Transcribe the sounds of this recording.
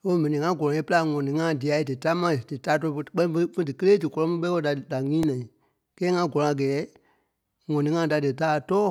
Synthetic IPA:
o˦mɛ̃˨nĩ˨ŋã˧ɡɔ˨ɔ̃˨e˦pɨ˦la˧˨ŋɔ̃˨nĩ˨˦ŋã˦˨di˨a˨˦i˦dɨ˨ta˦mã˦˧˨dɨ˨taː˦tɔ˧˦˧fə˧˨k͡pɛ̃˦nĩ˦fə˧˦fə̃˦dɨ˨kə˦leː˦dɨ˨kɔ˧lɔ̃˧˦mĩ˦ɓɛ˦wo˧˦da˨da˨ŋĩː˦nã˨ĩ˨ | kɛː˦ŋã˧˦ɡɔ˨lɔ̃˨a˨ɡɛː˨˦ | ŋɔ̃˨nĩ˨ŋã˧˦da˨dɨ˨taː˦˨tɔː˦

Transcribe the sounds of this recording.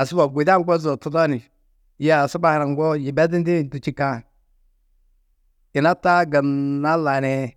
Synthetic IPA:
a˨sɪ˦ba˨ɡʷu˨da˦ŋɡo˦zo˨tu˦da˦ni˨ | ja˦˨si˦ba˨hɾa˨ŋ˦ɡɔ˦ji˨bɛ˦di˦ndi˦˨tu˨t͡ʃi˦ka˦ | ɪ˨na˦ta˦ɡa˨nna˦la˨nɛ˦

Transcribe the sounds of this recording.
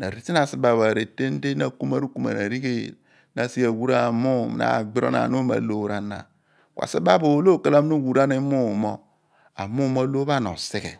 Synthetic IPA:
na˨ɾi˦ti˦n˦a˨si˦ba˨βa˨ɾe˨te˦n˦de˦na˨ku˦ma˦ɾu˦ku˦ma̰˨na˨ɾi˦ɡe˦ | na˨si˦a˨wu˦ɾa˦˨mu˦m˨a̰˦˨ɡ͡bi˦ɾo̰˦na̰˨nu˦ma̰˨lo˦ɾa˦na̰˨ | kʷa̰˨si˦ba˦bo˨˦lo˦˨ka˨la˦m˦nu˦wu˨ɾa˦ni˦mu˦˨mo˦ | a̰˨mu˦mo˦lo˦βa˦˨no̰˨si˦ɡḛ˨

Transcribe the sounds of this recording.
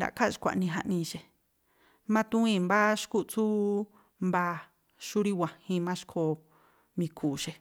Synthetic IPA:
da̰˨ka˦˨ʃi̥˧kʷa̰˨ʔnĩ˧ɦa˧ʔnĩ˧ʃe˨ | mã˦t̪ũ˦ĩ˧mba˦ʃku˦ʔt͡su˦ | mba˧ | ʃu˦ɾi˦wʷã˨hĩ˧mã˦ʃi̥˦kʰo˧ | mĩ˧kʰuː˨ʃe˧

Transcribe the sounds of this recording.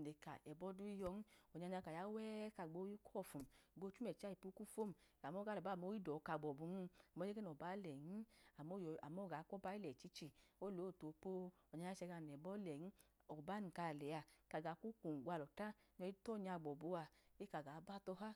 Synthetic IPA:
ne˨ka̰˨ɛ˨bɔ˦du˦i˧jɔ˧n˦ɔ˨ɲa˧ɲa˧ka˨ja˦wɛː˦ka˧˨ɡ͡bo˧˦ji˦kʰɔ˦˨fu˨m˨ɡo˧˦t͡ʃu˦mɛ˨t͡ʃa˦i˨pu˧˦ku˦fo˦m˨a˨mɔ˦ɡa˨˦˨ɛ˨ba˦˨mo˦ji˦dɔ˨˧ka˧˨ɡ͡bɔ˨bu˧nu˦˧a˨mɔ˧˦e˦ke˦nɔ˨ba˨˦lɛ˨ni˦a˨mo˦ja˨mɔ˦˨ɡa˨˦kɔ˦ba˦i˦lɛ˨t͡ʃi˦t͡ʃi˧o˦lo˨˦˨to˨po˦ | ɔ˨a˧ja˦t͡ʃɛ˧ɡa˧˨n˨ɛ˨bɔ˦lɛ˨i˦ | ɔ˨ba˨˦ni˨ka˧˨lɛ˨a˧˨ka˨ɡa˨˦ku˦ku˨ɡʷa˧lɔ˨ta˦ | ɲɔ˧˦i˦tɔ˦˨ɲa˧˨ɡ͡bɔ˨bu˧a˧e˦ka˨ɡa˨˦ba˦tɔ˧ɦa˦

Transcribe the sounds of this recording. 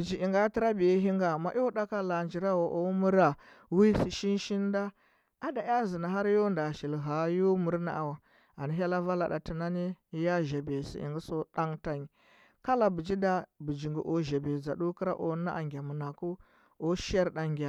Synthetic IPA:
bi˨d͡ʒi˨i˨ŋɡa˦ti˦ɾa˦bi˨e˦ɦi˦ŋɡa˨ma̰˨˦ʔo˦da˦ka˦la˨nd͡ʒi˨ɾa˦wo˨ʔo˦mu˦ɾa˨wi˦si˨ʃi˦nʃi˦nda˦ | a˨da˨ja˦zi˨na˨ɦa˦ɾjo˦nda˨ʃi˨lɦa˨jo˦mu˦ɾna̰˦ʔa˨wa˨ | a˨ni˨ɦa˦la˦va˦la̰˨ɗa̰˨ti˨na˦ni˦ja˦ʒa˨be˨sḭ˨ʔḭ˨ŋɡi˦so˦ɗa˦ŋta˦ni˨ | ka˦la˨bi˨d͡ʒi˦da˦bu˨d͡ʒi˨ŋɡḭ˨ʔo˨ʒa˨be˨za˨ɗu˦kə˦ɾa̰˦ʔo̰˨˦na̰˦ʔa˨ŋɡʲa˨mu˨na˨ku˦ | o˦ʃa˦ɾda˨ŋɡʲa˨

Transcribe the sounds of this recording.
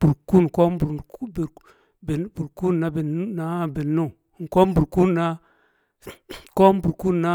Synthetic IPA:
b̥u˨ɾku˦n˨ko˦m˦bu˨ɾb | be˨˦bu˨ɾku˦nːa˦be˨˦na˦be˨nu˦˨ | ŋ˨ko˦bu˨ɾku˦na˦ | ko˦m˦bu˨ɾku˦nna˦

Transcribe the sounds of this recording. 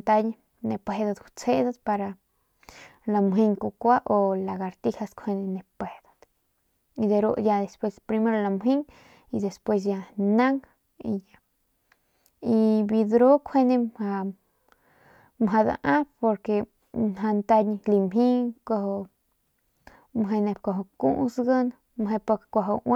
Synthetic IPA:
t̪a˧ɲ˧ | ne˧pʷe˧d̪a˧d̪u˧t͡se˦d̪a˦d̪pa˧ɾa˧ | la˧mɦi˦˧ŋku˧kʷa˦ʔo˧la˨ɡa˨˧ɾt̪i˦˧ha˧skʰe˧ne˧ne˧pe˨d̪ḁ˨d̪̥ | i˧d̪e˧ɾṵ˧ʔja˧d̪e˨spwe˧spɾi˧me˦ɾo˧la˧˨mɦi˦ŋ | i˧d̪e˨spwe˧s̬ja˧na˦ŋ | i˧ja˧ | i˧bi˧d̪ɾo˦kʰʷe˦nẽ˧mha˧ | mɦa˧d̪a̰˧ʔã˦po˧ɾke˧ | nɦa˧nt̪a˧ɲi˧li˧mɦi˦ko˧ho˧ | mɦe˧ne˧pkʷo˧ɦo˧kṵ˦ʔsɡə˦n | mɦe˧po˧kʷa˧ɦo˧wʔa˦

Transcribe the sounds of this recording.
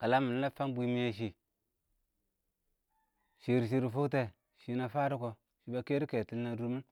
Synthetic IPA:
ka˨la˦mu˨n˦a˦pfa˦mbʷi˦mi˦ja˦ʃ̬i˨ | ʃi˨ɾʃ̬i˦ɾi˨fu˦kte˨ | ʃi˨na˨fa˦ɾu˦ko˨ | ʃi˨ba˨ke˦ɾi˦ke˨ti˨lna˨du˦ɾmu˦n

